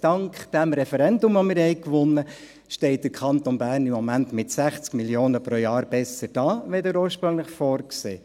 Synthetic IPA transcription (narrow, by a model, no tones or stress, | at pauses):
d̥ɑŋkχd̥æmɾɛfɛɾɛndʊmʋomɪːɾhɛɪkʋʊnːə | ʃtɛɪt̚d̥əkʰχɑnt̪ɔnbæːrnɪmːɔmæntmɪtsæχt͡skmiljoːnəpɾojɑːɾb̥ɛsəɾd̥ɑːʋɛdəɾoːɾʃpɾɵŋləχfɔːɾksḛː